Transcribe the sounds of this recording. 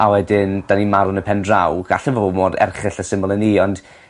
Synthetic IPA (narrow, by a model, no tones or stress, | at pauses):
awɛdɪnd̥animaɾʊnəpʰɛndrawɡ̥a̰ɬɛvoomoːdɛ̰rχɪɬəsɪməlˠəniːɔnd̥